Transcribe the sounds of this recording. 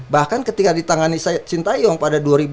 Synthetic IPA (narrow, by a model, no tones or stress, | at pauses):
bahkankət̪ikadit̪aŋanist͡ʃint̪ajɔŋpadaduaɾib